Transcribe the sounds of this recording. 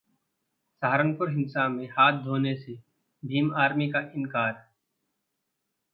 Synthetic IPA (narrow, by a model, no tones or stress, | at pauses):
saːɾənpʊɾɦɪ̃nsamẽhaːt̪̚ʰd̪ʱoːnese | bʱiːmaːɾmikaʔɪnkaːɾ